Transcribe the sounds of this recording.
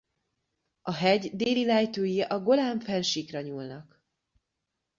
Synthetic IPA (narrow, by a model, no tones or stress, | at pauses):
ʔɒɦɛɟd̪eːlilɛjt̪øːjiʔɒɡo̞laːɱfɛlʃikrɒɲuːlnɒk